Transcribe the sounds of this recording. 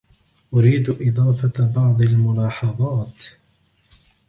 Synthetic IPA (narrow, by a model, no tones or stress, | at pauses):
ʔʊɾiːd̪ʔɪðˤɑːfabɑʕd̪ˤalmʊlɑːħɑðˤɑːt̪